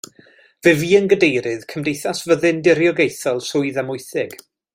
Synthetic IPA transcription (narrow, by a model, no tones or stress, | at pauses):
vɨviːənɡədejɾɨð̥kʰəmdejθasvəðɨndɪɾjɔɡejθɔlˠsʊɨðɛmʊɨθɪɡ̥